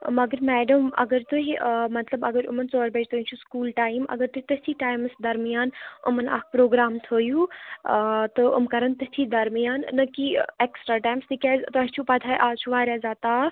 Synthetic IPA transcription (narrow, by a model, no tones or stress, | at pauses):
mɐɡəɾmɛːɖɐmɐ̰ɡəɾt̪uɦimɐt̪lɐbɐɡəɾʊ̰mɐnt͡soːɾbɐd͡ʒt̪onʲt͡ʃʰuskuːlʈaːjmɐ̰ɡəɾt̪uɦit̪ɐt̪ʰiːʈaːjmɨsd̪ɐɾmijaːnʊ̰mɐna̰ːk̚ʰpɾoːɡɾaːmt̪ʰoːjuː | t̪ɨʊ̰mkɐɾɐnt̪ɐt̪ʰiːd̪ɐɾmijaːnːɐkieːksʈɾaːʈaːjmst̪ʰikɛːzt̪ɐst͡ʃʰupɐt̪ʰaːjʔaːt͡ʃʰuʋaːɾaːzaːt̪aː